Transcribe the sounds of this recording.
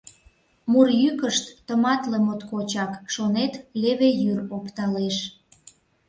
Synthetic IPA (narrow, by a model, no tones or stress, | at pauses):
murjykəʃt̪ːəmɑt̪lemot̪kot͡ɕɑkʃonet̪leβejyropt̪ɑleʃ